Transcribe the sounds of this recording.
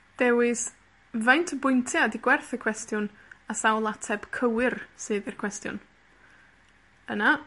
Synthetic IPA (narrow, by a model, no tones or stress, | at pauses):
d̥ɛwɨs | vajntʰəbʊjntʰjadiɡwɛrθəkʰw̥ɛstʰjʊn | asawlˠatʰɛb̥kʰəwɪrsɨːðirkʰw̥ɛstjʊ̰n | əna